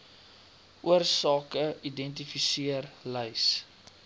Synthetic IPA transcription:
ʔuərsɑːkəidɛnt̬ifisiərləjs

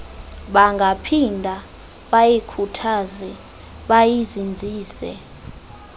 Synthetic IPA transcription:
ɓaŋɡʱapʰindʱa | ɓajikʰutʰazɛ | ɓajizind͡zʱiːsɛ̰

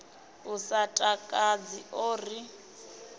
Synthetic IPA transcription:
usatʼakʼad͡ziʔoːri

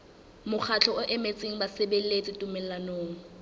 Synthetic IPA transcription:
mʊk͡xʰat͡ɬʰɔʊʔɛmet͡sʼeŋ̩basebelet͡sʼɪtʼʊmɛlanoːŋ̩

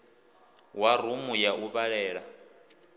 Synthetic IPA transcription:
warumujaʔuβaɺɛːɺa

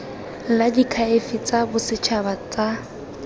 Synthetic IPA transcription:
ladikʰaefit͡sabʊsɪt͡ʃʰabat͡sa

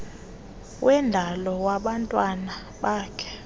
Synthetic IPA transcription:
wʔɛndʱalɔwaɓantʼwana | ɓaːkʰɛ̥

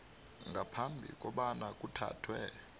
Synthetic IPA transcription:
ŋɡʱapʰambʱḭkʼɔɓanakʼutʰa̰ːtʰwɛ

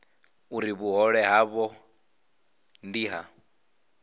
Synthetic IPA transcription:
uɾiβuɦɔɺɛɦaβɔ | ndiːɦa

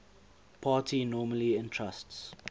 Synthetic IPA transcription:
pʰaːtʰinɔːməliɪ̃ntʰɹasts

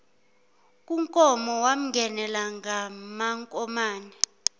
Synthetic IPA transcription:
kʼuŋkʼɔmɔwam̩ŋɡʱɛnɛlaŋɡamaŋkʼɔmaːnɛ

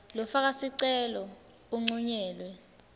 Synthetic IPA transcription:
lɔfak̬asiǀɛlɔ | uŋ͡ǀuɲɛːlwɛ

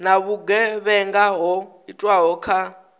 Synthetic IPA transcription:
naβuɡɛβɛŋɡaɦɔɦitʼwaɦɔkʰa

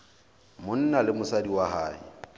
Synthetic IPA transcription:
mʊn̩nalɪmʊsadiwaɦaːɪ̰

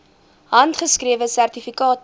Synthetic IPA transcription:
ɦɐntχəskriəvəsærtifikɑːt

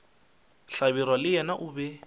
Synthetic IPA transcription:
ɬabiɾwalɪjɛnaʔʊːbɛ

